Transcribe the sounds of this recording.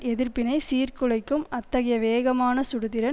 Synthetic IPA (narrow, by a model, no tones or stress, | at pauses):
ɛðɪɾpɪnɐɪsiːrkɯlɐɪkːɯmɐt̪ːɐɣɐjɐʋeːɣɐmaːnɐsʊɽɯðɪɾɐ